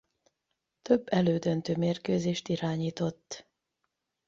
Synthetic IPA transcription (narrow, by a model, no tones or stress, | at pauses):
t̪ø̞bːɛløːd̪ønt̪øːmeːrkøːzeːʃt̪iɾaːɲiːt̪o̞t̪ː